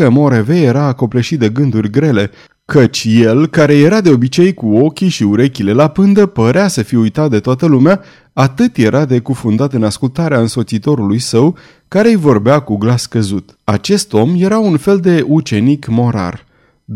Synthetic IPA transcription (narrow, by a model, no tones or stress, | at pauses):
əmo̞ɾeve̞je̞ɾaːko̞pleʃit̪̚d̪e̞ɡɨnd̪urʲɡɾe̞le̞ | kət͡ʃʲje̞lkaɾe̞je̞ɾad̪e̞o̞bit͡ʃe̞jkuo̞kʲiʃiuɾekʲile̞lapɨnd̪əpəɾeasəfiujt̪at̪̚d̪e̞t̪oat̪əlumea | at̪ɨt̪je̞ɾʔad̪e̞kufund̪at̪ɨnaskult̪aɾeaɨnso̞t̪sit̪o̞ɾulujsəw | kaɾe̞jvo̞rbeakuɡlaskəzut̪ | at͡ʃe̞st̪o̞mje̞ɾaunfe̞ld̪e̞ut͡ʃe̞nikmo̞ɾa̰r